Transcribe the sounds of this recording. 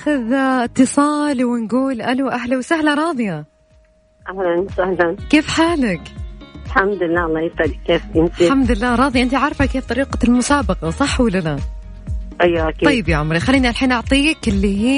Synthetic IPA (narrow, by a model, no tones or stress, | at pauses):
ʔxaðʔɪt̪ːɨsˤɑːlwɪnɡuːlʔaluʔaɦlawsahlaɾˤɑːðˤja | ʔahlansahlankeːfħaːlɪkħamd̪ɪlːaɑlˤːɑːjɪsʔalkeːfʔɪnt̪iħamd̪ɪlːaːɾˤɑːðˤjʔɪnt̪iʕɑɾˤfakːeːft̪ˤɑɾiːqɑlmʊsaːbɑqɑsˤɑħːwalːala | ʔajːaʔakiˤɑjːɪbjaʕʊmɾixalːiːniʔalħiːnʔɑʕt̪ˤiːkɪlːiɦiː